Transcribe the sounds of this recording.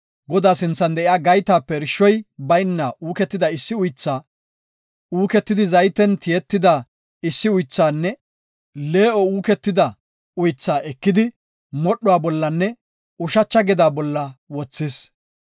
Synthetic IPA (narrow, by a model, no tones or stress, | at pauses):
ɡɔd̪aːsɪnt͡sːɐnd̪ɛʔɪjaːɡɐjt̪aːpːɛɾɪʃːɔjbɐjnːɐʔuːkɛt̪ːɪd̪ɐɪsːɪʊjt͡sːaː | uːkɛt̪ːɪd̪ɪzɐjt̪ːɛnt̪ɪjɛt̪ːɪd̪a | ɪsːɪʊjt͡sːaːnːɛ | le̞ːʔɔuːkɛt̪ːɪd̪ɐ | ʊjt͡sːaːʔɛkːɪd̪ɪ | mɔɗɔaːbɔlːɐnːɛ | ʊʃɐt͡ʃːɐɡɛd̪aːbɔlːɐwɔt͡sːɪs